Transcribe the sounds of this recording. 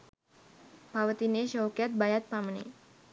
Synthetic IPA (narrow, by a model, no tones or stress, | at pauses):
pawət̪ineʃowkɛt̪̚bajat̪̚paməne